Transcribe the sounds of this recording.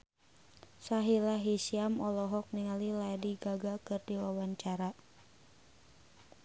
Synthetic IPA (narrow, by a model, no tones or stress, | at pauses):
saɦilaɦisiamɔlɔɦɔk̚niŋaliladiɡaɡakɨrdiwawaɲt͡ʃaɾa